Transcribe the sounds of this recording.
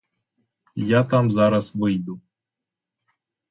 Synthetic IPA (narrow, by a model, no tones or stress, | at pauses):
jat̪amzaɾasvɨjd̪u